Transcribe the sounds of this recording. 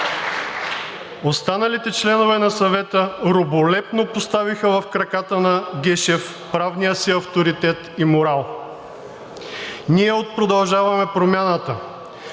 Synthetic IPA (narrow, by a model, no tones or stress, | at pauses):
ost̪anɐlit̪ɛt͡ʃlɛnovɛnɐsɐvɛt̪əɾobolɛpnopost̪avixəvɐfkɾɐkat̪ənɐɡʲɛʃɛf | pɾavnijəsiɐft̪oɾit̪ɛt̪imoɾalˠ | niɛot̪̚pɾod̪ɐlˠʒavɐmɛpɾomʲjanət̪ə